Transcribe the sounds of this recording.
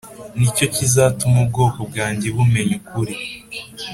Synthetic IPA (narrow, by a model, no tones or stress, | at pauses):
nico̞cizaːtumub̚ɡo̞ːkob̚ɡaːɲɟeβume̞ɲukuɾi